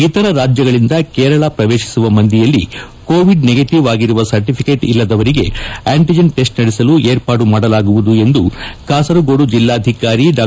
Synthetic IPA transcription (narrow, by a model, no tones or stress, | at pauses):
it̪ɐɾɐɾaːd͡ʒjɐɡɐɭind̪ɐkɛːɾɐɭɐpɾɐʋe̞ːʃi̥suʋɐmɐnd̪ʱijɐlːi | ko̞ːʋiɖneɡeʈiʋaːɡiɾuʋɐsɐɾʈipʰike̞ʈilːɐd̪ɐʋɐɾiɡe̞̰aːɳʈid͡ʒɐnʈe̞sʈnɐɽisɐlueːɾpaːɽumaːɽɐlaːɡuʋud̪ue̞nd̪ukaːsɐɾuɡoːɽud͡ʒilːaːɐd̪ʱikaːɾiɖaː